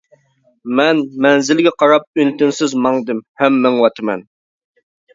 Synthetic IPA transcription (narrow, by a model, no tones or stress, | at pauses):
mɛnmɛnzɪlɡʲɛqʰɑɾɑp̚ynt̪ɪnsɪzmɑŋd̪ɨmhɛmːɛŋwɑt̪ʰɨmɛ̰n